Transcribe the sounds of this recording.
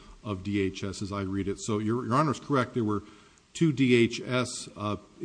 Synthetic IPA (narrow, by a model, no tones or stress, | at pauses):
ʌvdieɪt͡ʃɛsɨzaɪɹiɾɨtsoʊjə˞jə˞ɑnə˞z̥kʰə˞ɛk̚t̚ðəwə˞ | tʰʉdieɪt͡ʃɛs